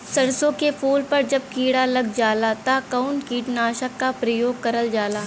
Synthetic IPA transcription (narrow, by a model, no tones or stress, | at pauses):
sɐɾsõkepʰuːlpɐɾd͡ʒɐb̚kiːɽalɐɡ̚d͡ʒaːlat̪akaʊnkiːʈnaːʃəkːapɾɐjoːɡ̚kːɐɾəld͡ʒaːlaː